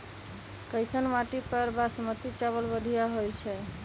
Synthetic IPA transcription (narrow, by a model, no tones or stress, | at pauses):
kəjsənmaʈipəɾbasmət̪it͡ʃaβəlbəd̪ʱijaɦojt͡ʃʰɛ